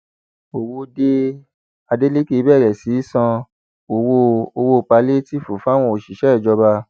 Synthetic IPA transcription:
o˨wo˧de˧ | a˧de˦le˦ke˦˧bɛ˦˨ɾɛ˨si˨˦sã˧ | o˨wo˧o˧wo˧˨pa˧le˦ti˦˨fu˨fa˦˨w̃ɔ̃˧o˨ʃi˨ʃɛ˦˨d͡ʒɔ˧ba˧

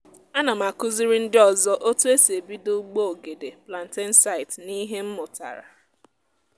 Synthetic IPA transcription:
a˦na˨ma˨kʊ˦zi˦ɾi˦n̩˦dɪ˦ɔ˨zɔ˦ʔo˦tu˦e˦se˨bi˦do˦ɡ͡bo˦o˨ɡe˨de˨pla˨n̩˨te˦n̩˦sa˦ɪ˨tni˦ɦe˦m̩˦mʊ˨ta̰˨ɾa̰˨

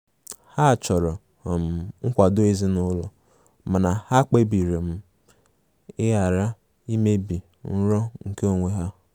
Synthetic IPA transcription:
ha˦˨t͡ʃɔ˨ɾɔ˨ | ɔ˨m̩˨ŋ̩˦kʷa˨dʊ˦e˦zi˦nʊ˦lɔ˨ | ma˨na˨ha˦k͡pe˦bi˨ɾe˨m̩˦ | ɪ˦ja˨ɾa˦ | i˦me˦bi˨ | n̩˦ɾɔ˦ŋ̩˨ke˦o˨ŋʷe˦ɦa˦

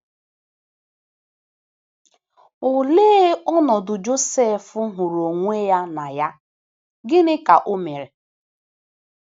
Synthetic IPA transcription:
ʊ˨leː˦ɔ˦nɔ˨dʊ˨d͡ʒo˦se˦˨fʊ˦ɦʊ˨ɾo˨ŋʷe˦ja˦na˨ja˦ | ɡɪ˦nɪ˦ka˨ʔo˦me˨ɾe˨

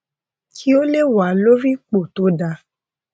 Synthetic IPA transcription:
kʰi˦o˦le˦˨wa˨˦lo˦ɾi˦k͡po˦˨to˨˦da˧

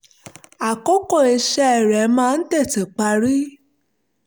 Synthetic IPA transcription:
a˨kɔ˦kɔ˦˨e˨˧ʃɛ˧ɛ˨ɾɛ˨˦mãː˦˧n̩˦tɛ˦˨tɛ˨k͡pa˧ɾi˦

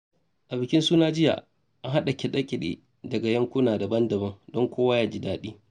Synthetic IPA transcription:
ʔa˨bɪ˨kʲɪ˦nsuː˦naː˦d͡ʒɪ˦ja̰˨ | ʔa˦ɦa˦ɗa˨kʲɛ˨ɗɐ˦kʲɪ˨ɗḛː˨ | dɐ˨ɡa˨jɐ˦ŋkʷuː˦naː˨dɐ˨bɐ˦ndɐ˨bɐ˦ŋdɔ˦ŋkʷoː˦wa˦jaː˦d͡ʒi˦daː˨ɗiː˦

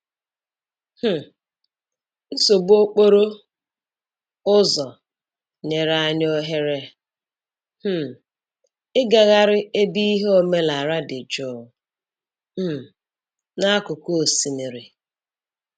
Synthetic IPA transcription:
h̩˦˨ | n̩˦so˨bo˦k͡po˦ɾo˦ | ʊ˦zɔ˨ | ɲe˨ɾa˦ɲ˦o˦ɦe˦ɾe˦ | m̩˦ | ɪ˦ɡa˨ɣa˦ɾɪ˦e˦bi˦i˦ɦe˦o˨me˦la˨ɾa˦dɪ˨d͡ʒo˨ | m̩˦˨ | na˦kʊ˨ko˦o˨si˨mi˨ɾi˨

